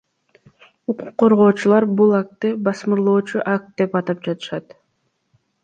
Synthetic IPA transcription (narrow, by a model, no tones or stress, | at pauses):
uquqːo̞ɾʁo̞ːt͡ʃulˠɑɾbulˠɑk̚t̪ːɯbɑsmɯɾlˠoːt͡ʃuʔak̚t̪̚d̪e̞pɑt̪ɑp̚d͡ʒɑt̪ɯ̥ʃɑt̪